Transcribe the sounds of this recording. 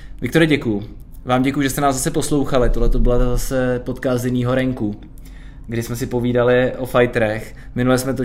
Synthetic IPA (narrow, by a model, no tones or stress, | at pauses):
vɪk̚t̪o̞ɾɪɟɛkujʊ | vaːmɟɛkujuʒɛst̪ɛnaːzasɛpo̞slo̞wxalɪt̪oɦlɛt̪o̞bɪlazasɛpo̞t̪kaːst̪ɪniːɦo̞ɾɛŋku | ɡdɪsmɛsɪpo̞viːdalɪʔo̞fajt̪ɾɛx | mɪnulɛsmɛt̪o